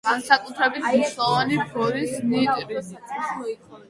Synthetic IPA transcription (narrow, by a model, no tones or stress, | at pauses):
ɡ̥ansakʼut̪ʰɾɛbit̪ʰniʃlˠɔvanipʰɾɔɾisnit̪ʼɾi | i